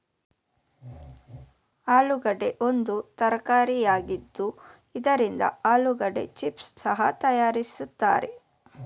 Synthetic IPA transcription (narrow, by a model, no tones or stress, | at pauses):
aːluɡɐɖe̞ʔo̞nd̪ut̪ɐɾɐkaːɾijaːɡid̪ːu | id̪ɐɾind̪ɐ̰aːluɡɐɖe̞̰t͡ʃipssɐɦɐt̪ɐjaːɾisut̪ːa̰ːɾe̞̰